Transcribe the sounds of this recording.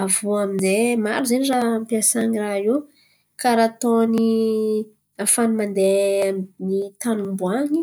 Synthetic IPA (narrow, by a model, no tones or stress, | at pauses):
avuaminzema̰ɾuzenirampjasaɲiraiw | kaɾat̪oni | afanimand̪enit̪anumbuaɲi